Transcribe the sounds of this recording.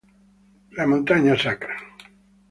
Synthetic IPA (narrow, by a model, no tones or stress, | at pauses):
lamõnt̪aɲasakɾa